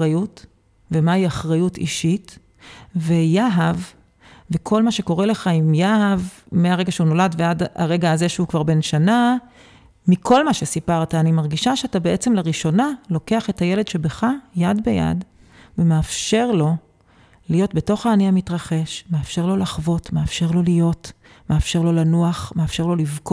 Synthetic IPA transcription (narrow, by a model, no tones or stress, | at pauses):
ajut | vemaiaχʁajutḭʃit | vejaɦav | vekʰo̞lmaʃe̞ko̞ʁele̞χaimjaav | meaʁeɡaʃeuno̞ladveada̰ʁe̞ɡaːze̞ʃeukvaʁbe̞nʃana | mikʰo̞lmaʃesipaʁtaːnimaʁɡiʃaʃeatabeʔet͡se̞mleʁiʃo̞nalo̞keaχe̞taje̞ledʃe̞beχajadbeja̰d | vemeafʃe̞ʁlo̞ | lijo̞tbe̞to̞χaːniamitʁaχe̞ʃmeafʃe̞ʁlo̞laχvo̞tmeafʃe̞ʁlo̞lijo̞t | meafʃeʁlo̞lanuaχmeafʃe̞ʁlo̞livk